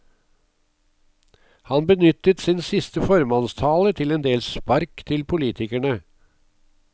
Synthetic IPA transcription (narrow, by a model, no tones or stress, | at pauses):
hɑnbənʏt̪ət̪sɪnsɪst̪əfɔɾmɑnst̪ʰɑːlət̪ʰɪlɛnd̪eːlspɑɾkt̪ʰɪlpʰʊliːt̪ɪkæɳə